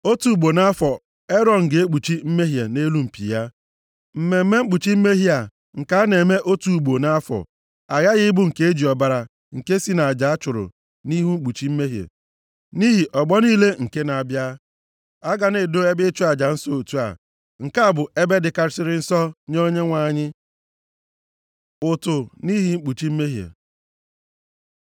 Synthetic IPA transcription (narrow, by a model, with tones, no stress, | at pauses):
o˦tu˨ɡ͡bo˨na˦fɔ˨ | e˦ɾɔ˨n̩˨ɡe˨e˦k͡pu˨t͡ʃi˦m̩˦me˦ɦje˨ne˦lu˦m̩˨pḭ˨ja˦ | m̩˨me˨m̩˦me˦ŋ͡m̩˦k͡pu˨t͡ʃi˦m̩˦me˦ɦi˦a˨ | ŋ̩˨ka˦a˦ne˨me˦ʔo˦tu˨ɡ͡bo˨na˦fɔ̰˨ | a˨ɣa˦ɣɪ˦ɪ˦bʊ˦ŋ̩˨ke˦e˦d͡ʒi˨ɔ˨ba˨ɾa˨ | ŋ̩˨ke˦si˦na˨a˨d͡ʒa˨a˦t͡ʃʊ˨ɾʊ̰˨ | ni˦ɦu˦ŋ͡m̩˦k͡pu˨t͡ʃi˦m̩˦me˦ɦjḛ˨ | ni˦ɦi˨ʔɔ˨ɡ͡bɔ˦niː˦le˦ŋ̩˨ke˦na˨a˨bja˦ | a˦ɡa˨ne˨do˦e˦bɪ˦t͡ʃu˦a˨d͡ʒa˨n̩˦sɔ˦o˨tu˦a̰˨ | ŋ̩˨ka˦˨bʊ˨e˦be˦dɪ˨ka˨ɾɪ˨sɪ˦ɾɪ˦n̩˦sɔ˦ɲ˦o˦ɲe˦ŋʷa˨ɲɪ˦ | ʊ˨tʊ˨ni˦ɦi˨ŋ͡m̩˦k͡pu˨t͡ʃi˦m̩˦me˦ɦjḛ˨